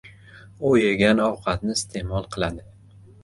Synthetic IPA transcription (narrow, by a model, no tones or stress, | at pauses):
ojaɡʲanɒwqʰɑt̪̚nɪst̪ʰe̞mɒlˠqʰɨlˠad̪ɪ